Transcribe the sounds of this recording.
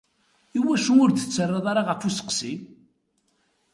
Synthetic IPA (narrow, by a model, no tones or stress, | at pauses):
iwæʃuʊɾθə̥t͡sːərˤːeðˤɑɾˤɑʁəfusə̥qsi